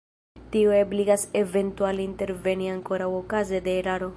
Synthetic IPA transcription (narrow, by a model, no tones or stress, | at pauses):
t̪iuebliɡase̞ve̞nt̪ualint̪e̞ɾve̞niaŋko̞ɾawokazed̪eːɾaɾo